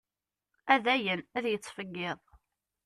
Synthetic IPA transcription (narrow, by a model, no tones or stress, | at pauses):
æðæjənæðjət͡sːfəɡːɪðˤ